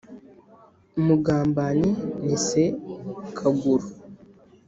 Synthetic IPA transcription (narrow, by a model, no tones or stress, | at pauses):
muɡaːmbaninisekʰaɡuɾu